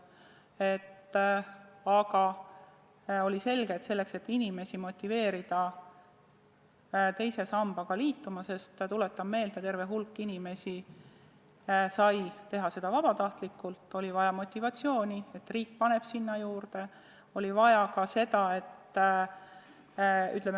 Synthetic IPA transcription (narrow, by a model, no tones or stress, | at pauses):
e̞t̪ː | ɑɡɑ | o̞lʲise̞lɡe̞t̪se̞lːe̞kse̞t̪ːinʲime̞simo̞t̪ʲːˑive̞ːɾid̪̥ɑ | t̪e̞jse̞sɑmb̥ɑɡ̥ɑliːt̪ːumɑse̞st̪t̪ule̞t̪ːˑɑmme̞ːld̪̥et̪e̞rve̞ɦulkːinime̞si | sɑjt̪e̞ɦɑse̞d̪̥ɑvɑb̥ɑt̪ɑht̪likːˑult̪ːˑo̞lʲivɑjɑmo̞t̪ʲːˑivɑt̪sijo̞ːnʲie̞t̪ːriːk̚ːpɑne̞b̥sinːɑjuːrd̪̥e̞ | o̞lʲivɑjɑkɑse̞d̪ɑe̞t̪ː | y̰t̪lem